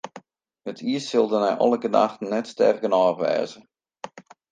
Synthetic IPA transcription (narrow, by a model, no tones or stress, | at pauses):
hətʰiəssɪlˠdənɛjʔɔ̰lˠəkəna̰xtən̩ːɛtstɛ̰rɡənɔːrʋɛ̰ːzə